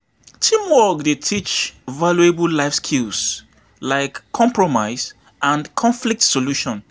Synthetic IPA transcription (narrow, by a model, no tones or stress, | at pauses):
tʰĩmwɔkdetʰit͡ʃvaljuebəlaɪfskʰils | laɪkʰːɔ̃mpʰɹɔmaɪs | ʔãnkʰɔ̃ɱflik̚tsoluʃɔ̃n